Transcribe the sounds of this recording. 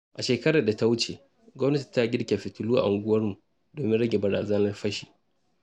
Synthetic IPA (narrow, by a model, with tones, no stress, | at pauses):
ʔa˨ʃeː˨kɐ˦ɽa˨da˨ta˦wʊ˦t͡ʃe˨ | ɡʷɔ˦mnɐ˦ti̥˨ta˦ɡʲɪ˦ɽkʲe˨ɸɪ˨tʊ˨luː˦ʔa̰˨ʔa˨ŋɡʷʊ˦wɐ˦rmu˨ | doː˨mɪ˦nɽɐ˦ɡʲe˨bɐ˨ɾaː˨zɐ˦nɐ˦rɸɐ˦ʃiː˨